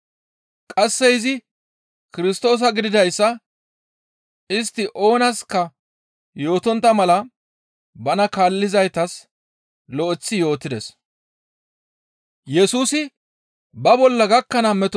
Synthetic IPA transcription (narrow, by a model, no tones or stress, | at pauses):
kʼɐsːɛjɪzɪ | kɪɾɪs̬t̪o̞ːs̬ɐɡɪd̪ɪd̪ɐjsːɐ | ɪst̪ːɪʔo̞ːnɐskːɐ | jo̞ːt̪ɔnt̪ːɐmɐlɐ | bɐnɐkaːlːɪzɐjt̪ɐs | lɔʔɪt͡sːɪjo̞ːt̪ːɪd̪ɛs | jɛsuːsɪ | bɐbɔlːɐɡɐkːɐnɐmɛt̪ɔ